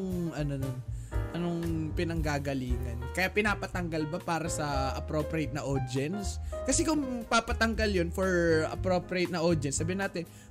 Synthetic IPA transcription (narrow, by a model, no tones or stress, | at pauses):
ŋʔɐnononʔɐnoŋpɪnɐŋɡaːɡɐliːŋɐ̰nkɐjaʔpɪnaːpɐt̪ɐŋɡɐlbɐpaːɾɐsɐʔɐ̰pɾopɾejt̪nɐʔod̪ɛnskɐsɛkʊŋpapɐt̪ɐŋɡɐljonfoɹʔɐ̰pɾo̞ːpɾejt̪̚nɐʔod̪ɛnsːɐbiːhɪnaːt̪ɛn